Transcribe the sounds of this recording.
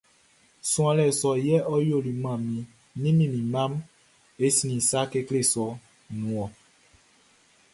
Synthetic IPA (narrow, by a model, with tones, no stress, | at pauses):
sũ˦ã˨lɛ˨sɔ˨jɛ˦ʔɔ˦jo˦˨li˨mã˨mĩ˨ | nĩ˦mĩ˦˨mĩ˨mã˦m | e˦si˨nĩ˨sa˦ke˦kle˦˨sɔ˨ | nũ˨˦ɔ˨